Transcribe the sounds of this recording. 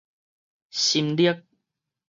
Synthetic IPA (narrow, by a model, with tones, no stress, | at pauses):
ɕi˧mli˦ə˦k̚